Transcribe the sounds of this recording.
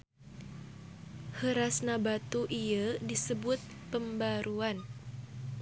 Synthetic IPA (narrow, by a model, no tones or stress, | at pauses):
həɾasnabat̪uʔiadisəbʊt̪̚pəmbaɾuan